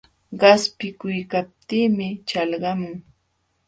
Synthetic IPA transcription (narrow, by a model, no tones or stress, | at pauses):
ɢɑspɪkʊjkap̚t̪iːmɪt͡ʃɑlɢɑmʊŋ